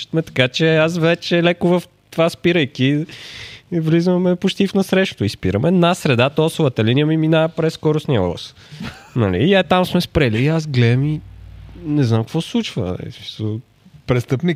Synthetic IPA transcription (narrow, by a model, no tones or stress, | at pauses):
t̪mɛt̪ɐ̥kat͡ʃɛasvɛt͡ʃɛlɛkʊvəf | t̪ovaspiɾəjki | vlizvəmɛpot͡ʃt̪ifnɐsɾɛʃt̪o̥t̪oispiɾəmɛd̪nasɾɛd̪at̪ɔsovət̪əlinijəmiminapɾɛsːkɔɾʊsniəɔ̰lˠə̰s | nɐlḭːɛt̪amsmɛspɾɛliːazɡlɛd̪əmi | nɛznamkkvɔslˠut͡ʃvə̰ɛ̰smi̥sˠo | pɾɛst̪ɤpni